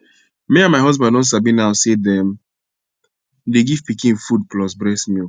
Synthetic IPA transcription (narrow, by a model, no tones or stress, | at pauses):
meãnmaɪɦɔzbãndɔ̃ns̬abĩnaʊsedɛm | deɡivpikĩnfud̚plɔsbɾɛsmi